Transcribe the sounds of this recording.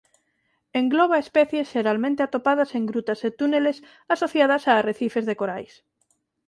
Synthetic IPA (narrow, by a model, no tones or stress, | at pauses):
eŋɡloβ̞aespɛθjesʃeɾalmẽnt̪eat̪opað̞aseŋɡɾut̪aset̪uneles | asoθjað̞asareθifezðekoɾajs